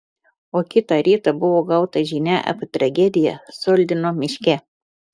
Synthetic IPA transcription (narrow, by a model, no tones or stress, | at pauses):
oːkʲɪt̪ɑˑɾʲiːt̪ɐbʊʋoːɡɐʊt̪ɐʒʲinʲæʔɐ̰pʲt̪ɾɐɡʲɛd̪ʲɪjɛsoːlʲd̪ʲɪnoːmʲɪʃʲkʲɛ